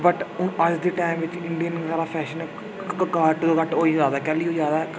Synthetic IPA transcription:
bəʈʊəd͡ʒd̪iːʈaːɪmʋɪt͡ʃɪɳɖijənɾaːɾaːpʰɛːʃənɛ | kaʈd̪oːkəʈoːiːd͡ʒaːd̪aːkɛːliːɦod͡ʒaːd̪aː

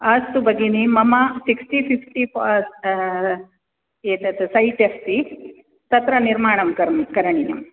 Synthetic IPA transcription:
ɐst̪ubɐɡinimɐmasiksʈipifʈifɐ | eːt̪ɐt̪sɐjʈefsi | t̪ɐt̪ɾɐniɾmaːɳɐmkɐɾmikɐɾɐɳijɐ̰m

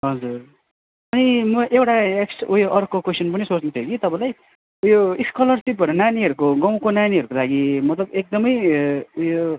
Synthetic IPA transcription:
ɦʌd͡zur | ʌnimʌʔewʈaeksʈujoʔʌrkokwesʌnpʌnisot͡snʌt͡sʰʌokit̪ʌpãj̃laj | ujoiskʌlʌrsipʌɾunaniɦʌɾukoɡʌ̃w̃konaniɦʌɾukolaɡimʌt̪lʌbek̚d̪ʌmʌjujo

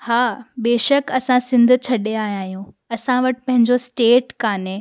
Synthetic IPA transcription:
haːɓeːʃəkɐsãsɪ̃nd̪̆ʱt͡ɕʰɐɗeaːɦijãːɦijũ | ɐsãʋɐʈɪ̥̆pɐ̃ɦɪ̃ɲd͡ʑosʈeːʈkaːne

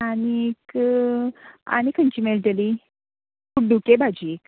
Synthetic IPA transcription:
anik | a̰ñikʰəɲt͡ɕimelʈəli | kuɖukebad͡ʑiːk

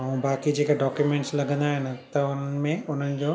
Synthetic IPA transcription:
ɐũbaːkid͡ʑeːkaɖɔːkjumẽːɳʈslɐɡʱə̃nd̪aːɦɪnɪ̆t̪ɐʊnən̆mẽʊn̤ənɪ̆d͡ʑoː

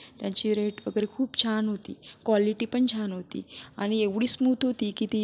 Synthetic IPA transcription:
t̪jãt͡ɕiːɾeʈʋəɡəɾekʰuːpt͡ɕʰanɦot̪ḭːkʋaliʈiːpəɳt͡ɕʰanɦot̪ḭːaɽ̃ieʋɽiːsmut̪ɦot̪ikit̪i

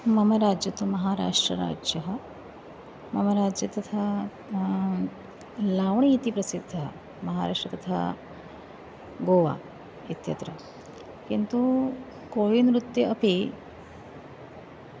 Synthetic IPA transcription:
mɐmɐɾaːd͡ʒjɐt̪umɐɦaːɾa̰ːʂʈɾɐ̰ɾa̰ːd͡ʒjɐɦɐ | mɐmɐɾaːd͡ʒjɐt̪ɐt̪ʰa | laːʋɳiːt̪ipɾɐsid̪ʱːɐ | mɐɦaːɾa̰ːʂʈɾɐt̪ɐt̪ʰa̰ | ɡoːʋa̰ː | it̪jɐ̰t̪ɾɐ | kint̪u | koːjinɾut̪jɐʔɐpi

